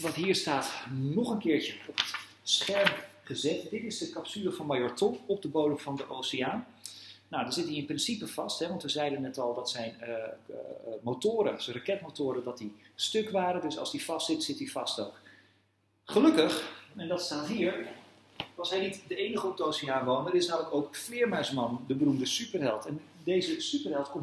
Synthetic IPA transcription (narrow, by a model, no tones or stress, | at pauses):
ʋɑtɦiːɹstaːtnɔχənkɪːɹt͡ʃəɔpət | sχɛɹmχəzɛtdɪtɪzdəkɑpsyləvɑnmajɔɹtɔmɔp̚dəbowdəmvɑndəʔowsɪaːn | nawdɑnzɪtdiɪnprɪnsipəv̥ɑstɦɛʋɑntʋəzɛjdənɛtɑlˠdɑtsɛjn | mowtʊːɾəsrakɛtmowtʊːɾədɑt̚distøkʋaːɾədɵsɑ̰lsdifɑstsɪtsɪtdifɑstowk | χəlɵkəχɛndɑtstaːtɦiːəɹ | ɑlˠsɦɛjnitdəejnəχəɔp̚dəowsiaːnʋownəɾɪsnaːmləkowkflɪəɹmœɥsmɑndəbərumdəsypərɦɛlˠtɛndejzəsypərɦɛlˠtkɔm